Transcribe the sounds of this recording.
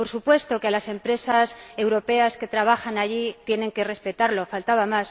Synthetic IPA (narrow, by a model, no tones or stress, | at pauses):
po̞ɾsupwe̞st̪o̞kealase̞mpɾe̞sase̞wɾo̞pe̞aske̞t̪ɾaβ̞axanaʝit̪jeneŋke̞re̞spe̞t̪aɾlo̞falt̪aβamas